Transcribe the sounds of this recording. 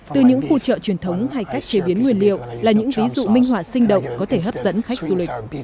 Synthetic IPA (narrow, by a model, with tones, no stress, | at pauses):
t̪ɨ˨˩ɲɨ̰˧˥ŋfṵ˧t͡ɕə̰ː˧˨t͡ɕwi˧˩ənt̪ʰə˨˦wŋ͡mha˧˩jka˦˥jk̚t͡ɕe˨˦ɓi˨˦ənŋwi˨˩ənlḭ˧˨ə˨wlaː˨˩ɲɨ̰˧˥ŋvi˨˦zṵ˧˨mï˧ŋ̟hwaː˧˩sï˧ŋ̟ɗə̰˧˨wŋ͡mkɔ˨˦t̪ʰe˧˩ɦəː˦˥p̚zə̰˧˥nxa˦˥jk̟̚zu˧lï˨˩k̚